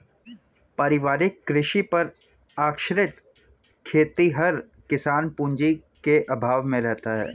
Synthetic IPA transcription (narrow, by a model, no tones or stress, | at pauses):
pɐɾɪʋaːɾɪkːɾɪʃipɐɾ | aːkʃɾɪt̪ | kʰeːt̪iɦɐɾ | kɪsaːnpũːɲd͡ʒikeʔɐbʱaːʋmẽɾɛɦt̪aɦɛ̰ː